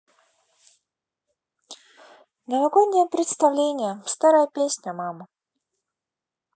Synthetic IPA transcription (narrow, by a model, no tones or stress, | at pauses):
nʲəvɐɡod̪nʲːɪjəpɾʲɪt̪st̪ɐvlʲenʲɪjəfst̪aɾəjəpʲesʲnʲəmamə